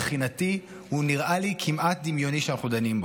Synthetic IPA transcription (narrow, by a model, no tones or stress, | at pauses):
χinat̪i | huniʁʔalikʰimʔat̪̚d̪imjo̞niʃeanaχnud̪animbo